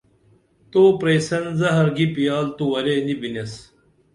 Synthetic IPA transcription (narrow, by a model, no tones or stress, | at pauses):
t̪oːpɾeːsɐnzɐɦɐɾɡipijaːlt̪uwɐɾenibinɐs